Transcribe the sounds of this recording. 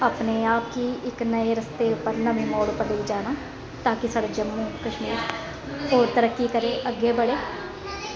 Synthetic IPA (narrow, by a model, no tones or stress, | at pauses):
aːpneːaːp̚kiːɪknəeːɾəst̪eːʊpːəɾnəʋĩːmoːɽopəɽiːd͡ʒaːnaː | t̪ãːkɪsaːɽeːd͡ʒəmːũːkəʃmiːɾ | oːɾt̪əɾəkːiːkəɾeːʔəɡːeːbəɽeː